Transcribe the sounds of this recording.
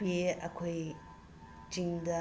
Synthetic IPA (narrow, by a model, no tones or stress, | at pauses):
ieʔɐkʰoj | t͡ʃiŋdɐ